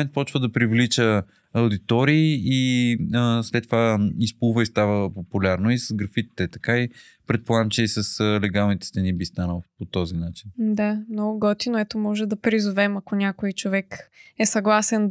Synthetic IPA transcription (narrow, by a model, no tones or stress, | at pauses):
ɛnt̪̚pɔt͡ʃvəd̪ɐpɾivlit͡ʃə | ɐʊd̪it̪ɔɾiːiəslɛt̪ːovaispulˠvəist̪avəpopulʲaɾnoisɐzɡɾɐfit̪t̪ɛt̪ɐkai | pɾɛt̪̚polˠaɡəmt͡ʃɛisəslɛɡalˠnit̪ɛ̥st̪ɐnibist̪anəlˠpot̪ɔzinat͡ʃind̪amnɔɡʊɡɔt̪inoɛt̪omɔʒɛd̪ɐpɾizovɛmɐkonʲakoit͡ʃovɛkɛsɐɡlˠasɛn